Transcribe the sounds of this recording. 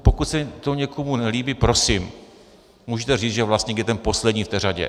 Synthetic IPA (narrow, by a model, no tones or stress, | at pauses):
po̞kut̪sɛt̪oɲɛkʰomunɛliːbipɾo̞sim | muːʒɛt̪ɛriːt͡sʒɛvlast̪ɲɛɡdɛt̪ɛnpo̞slɛdɲiːft̪ɛːr̝aɟɛ̰